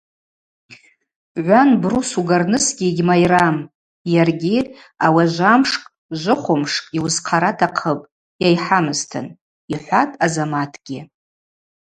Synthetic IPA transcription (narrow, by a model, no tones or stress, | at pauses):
ʕʷanbrusuɡarnɨsɡʲiɡʲmajram | jarɡʲi | awaʒʷamʂkʼ | ʒʷɨχʷʊmʂkʼiwzqʰaɾatʰaqʰəpʼ | jajħamɨztʰɨ̰n | iħʷatʼazamatʰɡ̥ʲɪ